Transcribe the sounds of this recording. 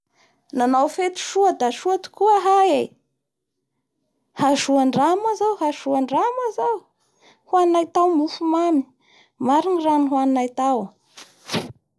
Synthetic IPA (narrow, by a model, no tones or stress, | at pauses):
nanawfet̪u̥ʃuad̪aʃuat̪u̥kuaɦaje | haʃuaɳɖ͡ʐamazawhaʃuaɳɖ͡ʐamazaw | hwannajt̪awmufumami̥ | maɾiniraniɦwaninajt̪aw